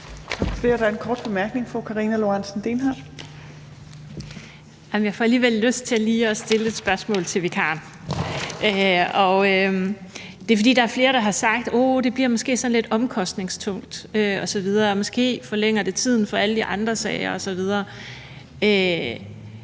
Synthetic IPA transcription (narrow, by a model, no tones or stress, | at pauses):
fedɑæɐenkʰɒ̰ːd̥̚b̥e̝mæɐɡ̥ne̝ŋfɔkʰɑ̈ʁiːnælo̝ɑnsn̩d̥enɦɑ | ɑmjɑ̈ɪfɒ̽æliːʋelːøsd̥̚t͡sʰe̝æliːɒ̽sd̥e̝ləe̝d̥sb̥ɶɐsmɔ̰̽ːlt͡sʰe̝ʋekʰɑ̈ːn | ʔøɒ̽ø | d̥e̝fɒ̽dḭːd̥ɑ̈æɐfle̝ːɐɾ̥ɑ̈ɦɑ̈sɑ̈ɡ̥̚d̥od̥e̝b̥liɐ̰mɒ̽sɡ̥e̝̰ːsɒ̽nle̝d̥ɒ̽mkʰɒ̽sd̥ne̝ŋst͡sʰɔ̽ŋ̰d̥øɒ̽sɒ̽ʋið̞ˠɐɒ̽mɒ̽sɡ̥e̝̰ːfɒ̽leŋ̰ɐd̥e̝t͡sʰið̞̰ˠn̩fɒ̽ælədiʔɑ̈nd̥ʁɐsɛːɪɐɒ̽sɒ̽ʋið̞ˠɐː | ø